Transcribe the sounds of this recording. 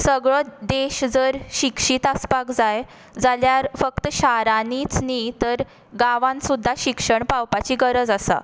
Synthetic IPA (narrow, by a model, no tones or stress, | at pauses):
səɡɭəd̪eɕd͡zəɾɕikʂiːt̪aspakd͡zaj | d͡zaljaɾfəkt̪əɕaɾanit͡snit̪əɾ | ɡaʋãnsud̪ʱːaɕikʂəɳpawpat͡ɕiɡəɾəd͡zasa̰